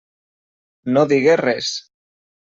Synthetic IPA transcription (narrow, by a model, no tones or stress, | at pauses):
noðiɣerɛs